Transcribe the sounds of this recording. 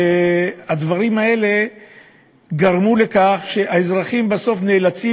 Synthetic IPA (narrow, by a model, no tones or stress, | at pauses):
ead̪vaʁimae̞le̞ | ɡaʁmule̞kaχʃe̞ʔaezʁaχimbaso̞fne̞ːlat͡si